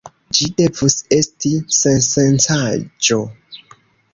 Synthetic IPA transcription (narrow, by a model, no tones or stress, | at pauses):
d͡ʒide̞vuse̞stisensent͡sad͡ʒo̞